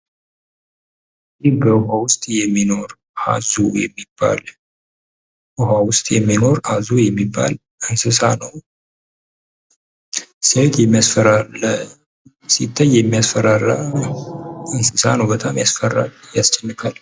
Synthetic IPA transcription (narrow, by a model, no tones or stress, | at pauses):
dihbəʊɦawʊst̪ʼjɛmːino̞ɾ | ʔa̰zujɛmːibːa̰l | ʔuɦawʊst̪ʼjɛmːino̞ɾazujɛmːibːa̰l | ɨnsɨsanəw | səwt̪ʰjɛmːijasfəɾalə | sit̪ʰːəjjɛmːijasfəɾara | ɨnsɨsa̰nəwbət̪ʼamjasfərːa̰ljast͡ʃʼːɛnːɨkʰal